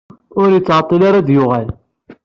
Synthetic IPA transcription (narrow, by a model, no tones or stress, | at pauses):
ʊɾjət͡sːʕɑt̪ˤːəlaɾad̪jʊʁæl